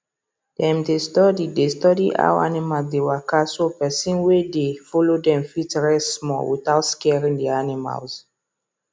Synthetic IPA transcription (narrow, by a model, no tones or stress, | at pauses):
d̥ɛ̃mdestɔdidestɔdḭʔa̰wa̰nimalsdewakasopɛsĩnwedefɔlodɛ̃mfitɹɛssmɔ̰lwḭtaʊtskɛɹĩŋdɛanima̰ls